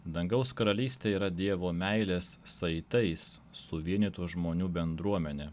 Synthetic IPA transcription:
d̪ɐŋɡɐʊskɐɾɐlʲiːsʲt̪ʲeːiːɾɐd̪ʲiɛʋoːmʲæɪlʲeːssɐɪt̪ɐɪssːʊʋʲiɛnʲiːt̪uːʒmoːnʲuːbʲɛnd̪ɾuɔmʲɛnʲeː

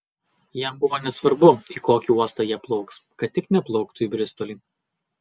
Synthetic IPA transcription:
jɛmbʊʋoːnʲɛsʋɐɾbʊikoːkʲiuɔst̪ɑːjiɛplˠɒʊkskɐt̪ʲtʲːɪknʲɛplˠɔʊkt̪ʊiːbʲɾʲɪst̪ɔlʲiː

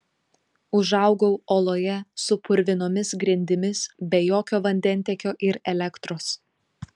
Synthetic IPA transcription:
ʊʒɐʊɡɔʊoːlˠoːjɛsʊpʊɾʲʋʲɪnoːmʲɪsɡɾʲɪnʲd̪ʲɪmʲɪsbʲɛjoːkʲoːʋɐnʲd̪ʲɛnʲˑt̪ʲɛkʲoːʔɪɾɛlʲɛkt̪ɾoːs

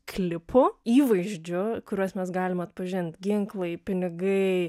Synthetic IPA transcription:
klʲɪpʰʊiːʋɐɪʒʲd͡ʒʲʊkʊɾʲuɔsmʲɛsɡɑːlʲɪmɐt̪pɐʒʲɪnʲt̪ʲɡʲɪŋklˠɐɪpʲɪnʲɪɡɐɪ

